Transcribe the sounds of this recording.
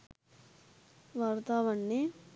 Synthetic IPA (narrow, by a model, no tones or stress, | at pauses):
ʋaːɾt̪aːʋɐɳːe